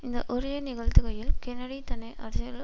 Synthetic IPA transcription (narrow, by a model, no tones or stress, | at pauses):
ɪnd̪ɐʔɔɾɪjɐnɪɣɐɻt̪ɯɣɐjɪlkɛnɐɽit̪ɐnɐɪʔɐɾɐsɐjɐl